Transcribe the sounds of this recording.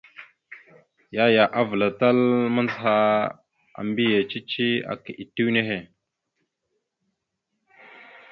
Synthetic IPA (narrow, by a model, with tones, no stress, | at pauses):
ja˦ja˨ʔa˦və˨la˨ta˦lmə˦nzɦa˦ | a̰˨mbi˦je˨t͡ʃi˦t͡ʃi˦a̰˨ki˨ʔi˨tːi˦wne˦ɦe˦˨